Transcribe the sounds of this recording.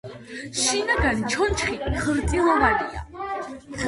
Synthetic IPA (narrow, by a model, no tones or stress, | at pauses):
ʃinaɡant͡ʃʰɔnt͡ʃʰχiχɾt̪sʼilˠɔvania̰